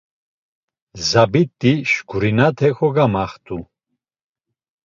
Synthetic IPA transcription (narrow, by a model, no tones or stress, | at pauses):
zabit̪ʼːiʃɡʰuɾinat̪ʰɛxɔɡamaχt̪ʰʼu